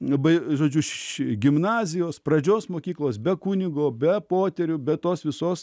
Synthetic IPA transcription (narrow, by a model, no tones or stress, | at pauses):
ɐbɐɪʒoːd͡ʒʲʊʃʃɡʲɪmnɑːzʲɪjoːsprɐd͡ʒʲoːsmoːkʲiːklˠoːsbʲɛkunʲɪɡoːbʲɛpoːt̪ʲɛɾʲʊbʲɛt̪oːsʋʲɪsoːs